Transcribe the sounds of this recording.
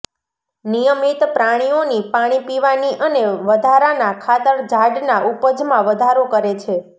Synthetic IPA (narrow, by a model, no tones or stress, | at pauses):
nijəmit̪pɾaɽ̃ionipaɽ̃ipiʋaniʔəneʋəd̪ʱaɾanakʰat̪əɾd͡ʒʱaɖnaʔupəd͡ʒmãʋəd̪ʱaɾokəɾet͡ʃʰe